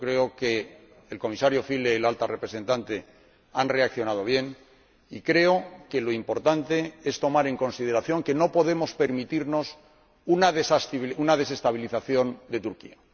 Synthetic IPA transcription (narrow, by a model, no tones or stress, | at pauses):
kɾe̞okeː | lko̞misaɾjo̞file̞ːlalt̪arepɾese̞nt̪ant̪e̞ | anre̞akθjo̞nað̞o̞β̞je̞n | ikɾe̞o̞ke̞lo̞impo̞ɾt̪ant̪e̞e̞st̪o̞maɾe̞ŋko̞nsið̞e̞ɾaθjo̞ŋke̞no̞po̞ðe̞mo̞spe̞ɾmit̪iɾno̞s | unaðesasunað̞e̞se̞st̪aβ̞iliθaθjo̞nd̪e̞t̪uɾkia